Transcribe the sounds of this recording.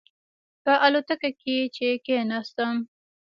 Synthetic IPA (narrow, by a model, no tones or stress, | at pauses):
pəʔalot̪akaket͡ʃekenɑst̪əm